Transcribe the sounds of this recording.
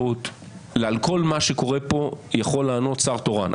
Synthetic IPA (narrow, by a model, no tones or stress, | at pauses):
ut̪ | lealko̞lmaʃeko̞ʁepo̞jaχo̞lːaːno̞t̪t͡saʁt̪o̞ʁa̰n